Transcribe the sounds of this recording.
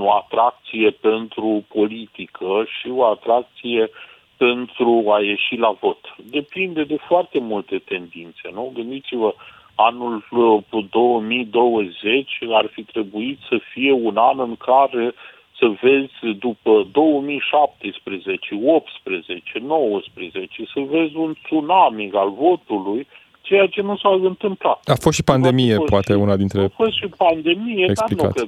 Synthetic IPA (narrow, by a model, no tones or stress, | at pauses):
oat̪ɾak̚t̪sije̞pe̞nt̪ɾupʰo̞lit̪ikʰəʃio̞at̪ɾak̚t̪sije̞ | pe̞nt̪ɾuaje̞ʃilavo̞t̪d̪e̞pind̪e̞d̪e̞foart̪e̞mult̪e̞t̪e̞nd̪int̪se̞nuɡɨnd̪it̪sivə | anuld̪o̞wəmid̪o̞wəze̞t͡ʃʲarfit̪ɾe̞buit̪səfije̞unanɨŋkʰaɾe | səve̞zʲd̪upəd̪o̞wəmijʃap̚t̪espɾeze̞t͡ʃeo̞p̚t̪spɾeze̞t͡ʃe̞no̞wəspɾe̞ze̞t͡ʃe̞səve̞zʲunt̪sunamikalvo̞t̪uluj | t͡ʃe̞jat͡ʃe̞nusaɨnt̪ɨmplaafost̪ʃi̥pand̪e̞mijepoat̪eunad̪int̪ɾefost̪ʃipand̪e̞mijeesplinka̰k